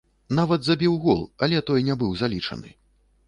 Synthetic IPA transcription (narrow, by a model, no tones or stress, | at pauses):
navɐd̪zɐbʲiwɣɔlˠɐlʲɛt̪ɔjnʲɛbɨwzalʲit͡ʂɐ̰nɨ̰